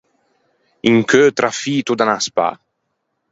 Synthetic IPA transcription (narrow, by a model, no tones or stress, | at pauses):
iŋkʰøt̪ɾʔafiːt̪ud̪anaspa̰